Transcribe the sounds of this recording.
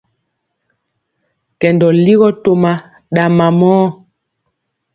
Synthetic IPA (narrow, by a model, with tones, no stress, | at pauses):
kɛ˨ndɔ˨li˦ɣɔ˦to˨ma˨ | ɗa˨ma˨mɔː˦